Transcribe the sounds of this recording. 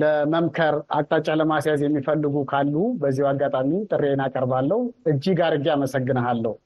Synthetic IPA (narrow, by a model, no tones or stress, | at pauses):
ləməmkʰəɾa̰kʼt̪ʼat͡ʃʼaləmasjazjɛmːifəlːɨɡukʰalːubəzːihwaɡːat̪ʼamit̪ʼɨrːenakʼəɾbalːəhuʔɨd͡ʒːiɡaɾɨɡːeaməsəɡːɨnəalːəhu